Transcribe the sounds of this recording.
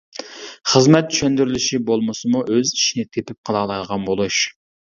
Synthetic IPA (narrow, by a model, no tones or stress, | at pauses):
χəzmɛt̪̚t̪ʰy̥ʃɛnd̪yɾylɪʃibolˠməsɨmuʔøzi̥ʃinɪt̪ʰepɪp̚qʰəlˠɑlˠɑjd̪əʁɑnbolˠuʃ